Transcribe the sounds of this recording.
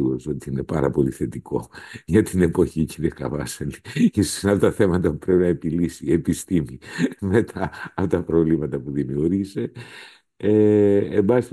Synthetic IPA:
oso̞t̪iine̞pɐɾɐpo̞liθe̞t̪iko̞̰ʝɐt̪ine̞po̞çiciɾiɐkɐ̰vɐ̰sɐnijissinɐlɐt̪ːɐθe̞mɐt̪ɐpupɾe̞pinɐepilisie̞pist̪imime̞t̪ʰɐpot̪ɐpɾo̞vlimɐt̪ɐpuðimiuɾʝise̞ | eembɐsist̪

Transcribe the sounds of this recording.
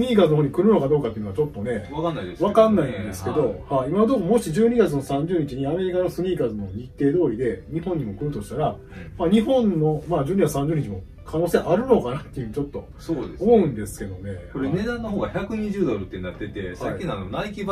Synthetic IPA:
sɨɲ̟ʲiːkaːzɨnooːɲikɯ̟ɾɯ̟no̞kad̪o̞ːkat̪ːeɯ̟noat͡ɕo̞t̪ːo̞ne̞βakanːaid̪esβakanːaĩnd̪e̞sɨ̥ke̞d̪o̞haimaβd̪o̞ːmomo̞ɕiʑɨːɲ̟iɡat͡sɨno̞sãɲ̟d͡ʑɨːɲ̟it͡ɕiɲ̟iame̞ɾʲikanosɨɲ̟ʲiːkaːzɨnooɲit̪ːe̞ːd̪o̞ːɾʲid̪e̞ɲ̟ihõ̞ɲ̟ːimo̞kɯ̟ɾɯ̟t̪o̞ɕi̥t̪aɾa | maːɲ̟iɦõ̞nːo̞mad͡ʑɨːɲiɡat͡sɨ̥sãɲd͡ʑɨɯːɲ̟it͡ɕimo̞ | kʰano̞ːse̞ʔaɾɯ̟no̞kanat̪ːeiɯɲit͡ɕo̞t̪ːo̞̰ | soeomoɯ̟̃nd̪e̞sɨ̥ke̞d̪o̞ne̞koɾene̞d̪ãnːoɦoːɡaçakɯ̟ɲ̟iʑɨːd̪oɾɯt̪ːenat̪ːe̞t̪e̞sakʲːinanonaikʲib

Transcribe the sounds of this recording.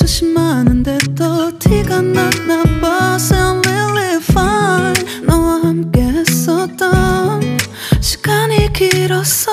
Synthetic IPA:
t͡ɕʌɕimanɯndet̪ʌtʰiɡanatnapaseanwilifannʌwahamkesʌt͈a | ɕʰi̥ɡ̥aɲikiɾʌs

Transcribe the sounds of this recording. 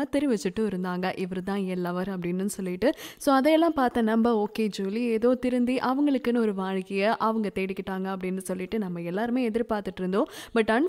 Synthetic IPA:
ɐt̪ɛɾiʋɛt͡ʃːɯʈːɯɪɾɯnd̪aːŋɡɐʔɪʋɐɾɯt̪ãːɛlːɐʋɐɾɐpːɐɽɪnːɯnːɯsɔlːɪʈːɯsoːɐðɐɛlːãːpaːɾt̪ɐ̃ːnɐmbɐoːkeːd͡ʒuːlɪeːðoːt̪ɪɾɯnd̪iʔɐʋɐŋɡɐɭɯkːɯnːɯɔɾɯʋaːɻɪkːɐjɐʔɐʋɐŋɡɐt̪eːɽɪkːɪʈːaːŋɡɐɐpːɐɽɪnːɯsɔlːɪʈːɯnɐmːɐɛlːaːɾɯmeːɛðɪɾpaːɾt̪ɯʈːɪɾɯnd̪õːbɐʈːɐn

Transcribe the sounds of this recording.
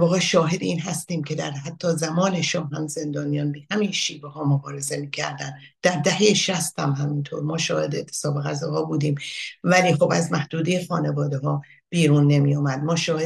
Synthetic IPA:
vɒːɣeʃɒːɦe̞d̪iːnɦæst̪iːmcʰe̞d̪æɾɦæt̪ʰːɒːzæmɒːne̞ʃɒːɦæmze̞nd̪ɒːnijɒːnbehæmiːnʃiːvehɒːmobɒːɾe̞ze̞miːcʰæ̰ɾd̪ænd̪̥æɾd̪æhejeʃæst̪hæmɦæmint̪ʰoːɾmɒːʃɒːhe̞d̪et̪ʰesɒːbeɣæzɒːɣɒːbuːd̪iːmvæliːxobæzmæhd̪uːd̪ejexɒːne̞vɒːd̪eɦɒː | b̥iːɾuːnːe̞miːjomæd̪̚mɒːʃɒːhe

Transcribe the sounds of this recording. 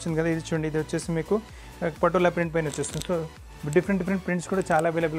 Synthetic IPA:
t͡ʃːind̪ikɐd̪aid̪it͡ʃuːɽɐɳɖiːd̪iʋɐt͡ʃːeːsimiːku | pɐʈːolapɾiɳʈ̚pɐjnot͡ʃːeːsind̪isoː | ɖipʰɐɾeɳɖipʰɐɾeɳʈ̚pɾiɳʈskuːɽaːt͡ʃaːlaːʋeːlɐbul

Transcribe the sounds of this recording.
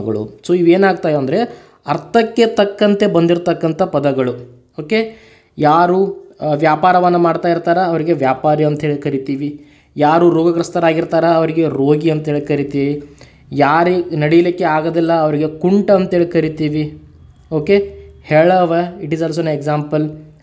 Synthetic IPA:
ɡɐɭṵsoːiʋeːnaːɡ̚t̪aːjɐːnd̪ɐɾe̞ | ɐɾt̪ʰɐkːe̞t̪ɐkːɐnt̪e̞bɐnd̪iɾt̪ɐkːɐnt̪ɐpɐd̪ɐɡɐɭu | oːke̞ | jaːɾuʋjaːpaːɾɐʋɐnːɐmaːɽt̪aːjiɾt̪aːɾɐːʋɐɾiɡe̞ʋjaːpaːɾiɐnt̪ɐɦeːɭikɐɾit̪iːʋi | jaːɾuɾoːɡɐkɾɐst̪ɐɾaːɡiɾt̪aːɾɐːʋɐɾiɡe̞ɾoːɡiɐnt̪ɐɦeːɭkɐɾit̪iːʋi | jaːɾinɐɽijɐlikːeaːɡɐd̪ɛlːɐːʋɐɾiɡekuɳʈɐːnt̪ɐɦeːɭikɐɾit̪iːʋi | oːkehɛɭɐʋɐiʈiːzɐls̬oneɡzaːmpɐl

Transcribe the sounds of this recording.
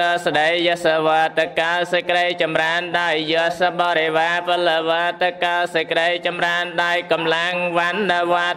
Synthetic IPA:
əsɗəjəəsəʋaːt̪ɨkːalsəkɗəjt͡ɕɑmraənɗajːusaɓɑːɾeʋaːpəlːəʋat̪ɨkːalsəkɗəjt͡ɕɑmraənɗaɔjkɑmlaŋʋanːəwʋa

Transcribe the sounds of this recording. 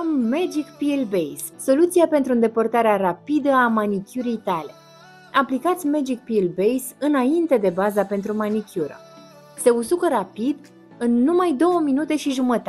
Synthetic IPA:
mːed͡ʒikpilbejsːo̞lut̪siape̞nt̪ɾuɨnd̪e̞pərt̪aɾeaɾapid̪əamanikʲuɾijt̪ale̞ | aplikat̪sʲmed͡ʒik̚pilbejsɨnaint̪e̞d̪e̞bazape̞nt̪ɾumanikʲuɾə̰ | se̞usukəɾapid̪ | ɨnːumajd̪o̞wəminut̪e̞ʃiʒumət̪a

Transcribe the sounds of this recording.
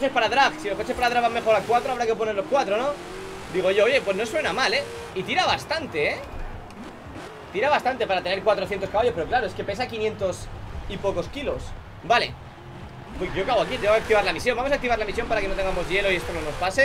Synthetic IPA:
ke̞spaɾaðɾaɣsilokot͡ʃespaɾaðɾaβame̞xo̞ɾalkwat̪ɾoaβɾakep̬o̞neɾlo̞skwat̪ɾo̞no̞ | d̪iɣ̞o̞oʝo̞oʝe̞pwe̞snoswe̞namale̞ | it̪iɾaβast̪ant̪e̞e | t̪iɾaβast̪ant̪e̞paɾat̪e̞ne̞ɾkwat̪ɾo̞θjet̪oskaβajo̞speo̞klaɾoe̞ske̞pe̞sakinjẽ̞nt̪o̞sipo̞ko̞skilo̞s | bale̞̰ | pweʝo̞kaβwakit̪eŋeak̚t̪iβ̞aɾlamisjo̞mbamos̬akt̪iβaɾlamis̬jo̞mpaɾake̞not̪e̞ŋɡamo̞zʝe̞lo̞iest̪onono̞spase̞

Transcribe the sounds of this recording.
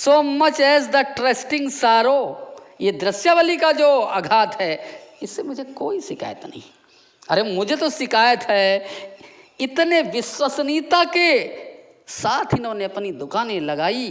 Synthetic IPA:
soːmɐt͡ʃɛːs̬d̪ɐʈɾeːsʈɪ̃ŋɡsaːɾo | jed̪ɾəsjaʋəlikad͡ʒoːɐɡʱaːt̪ɦɛːɪsːemʊd͡ʒʱekoːisɪkʰa̰ːjət̪nɐ̰ɦĩ | ɐ̰ɾemʊd͡ʒʱet̪osɪkaːjət̪ɦɛː | ɪt̪neʋɪswəsnit̪ake | saːt̪ʰɦinoneɐpnid̪ʊkaːnẽlɐɡaːi

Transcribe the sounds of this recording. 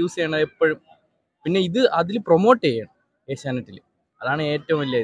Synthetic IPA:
iʋɐsɐeːɳɐðepːoɻum | pinːe̞iðɨʔɐðilpromo̞ːʈːejɐːɳɐ | eːsaːnɐtːil | ɐðaːɳɨe̞ːtːɐʋumilːɐi

